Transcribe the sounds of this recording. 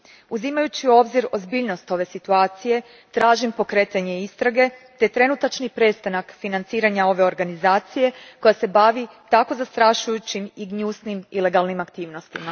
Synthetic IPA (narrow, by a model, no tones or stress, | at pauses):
uzimajut͡ɕio̞bziɾo̞zbiːʎno̞st̪o̞ʋe̞sit̪uaːt̪sije̞ | t̪ɾaːʒimpo̞kɾe̞t̪aɲe̞ist̪ɾaɡe̞t̪e̞t̪ɾe̞nut̪at͡ʃnipɾe̞st̪anakfinant̪siːɾaɲao̞ʋe̞o̞ɾɡanizaːt̪sije̞ko̞jase̞baʋit̪ako̞zast̪ɾaʃujut͡ɕimiɡɲusnimile̞ɡalˠnimakt̪iːʋno̞st̪ima